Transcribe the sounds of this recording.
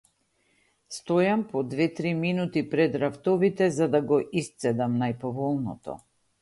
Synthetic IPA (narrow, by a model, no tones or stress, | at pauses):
st̪ɔjampɔd̪vɛt̪ɾiminut̪ipɾɛd̪ɾaft̪ɔvit̪ɛzad̪aɡɔʔist̪sɛd̪amnajpɔvɔlˠnɔ̰t̪ɔ̰